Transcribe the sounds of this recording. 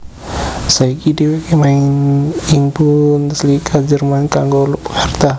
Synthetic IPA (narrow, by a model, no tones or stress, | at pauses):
saikidiwakemainiŋbunslikʰad͡ʒərmankaŋɡɔlukhart̪a